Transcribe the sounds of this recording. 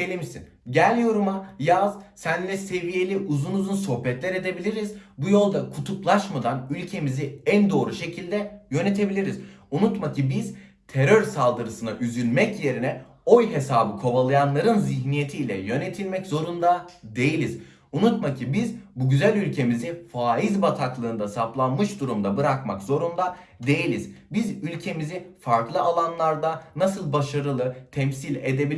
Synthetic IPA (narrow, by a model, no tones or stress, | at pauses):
elʲimisḭn | ɟælʲjo̞ɾumajazsænlʲɛse̞vije̞lʲiʔuzunuzunso̞hbɛt̪lʲæɾe̞d̪e̞bilʲiɾiz̥bujo̞lˠd̪akʰut̪ʰuplˠaʃmad̪anylʲcʰe̞miziænd̪o̞ːɾuʃe̞cʰilʲd̪ɛjø̞net̪ʰe̞bilʲiɾiz | unut̪macʰibiz̥ | t̪ʰe̞ɾøɾsalˠd̪ɯɾɯsɯnaʔyzylʲmɛcje̞ɾinɛ | o̞jɦe̞saːbɯkʰo̞valˠajanlˠaɾɯnziçnije̞t̪ʰiːlʲɛ̰jø̞ne̞t̪ʰilʲmɛczo̞ɾund̪ad̪e̞jilʲiz | unut̪macʰibizbuɟyzælʲylʲcʰe̞mizifaːjizbat̪ʰaklˠɯːnd̪asaplˠanmɯʃd̪uɾumd̪abɯɾakmakz̥o̞ɾund̪ad̪e̞jilʲizbizylʲcʰe̞mizifaɾklˠɯalˠanlˠaɾd̪anasɯlˠbaʃaɾɯlˠɯt̪ʰɛmsilʲe̞d̪e̞bilʲ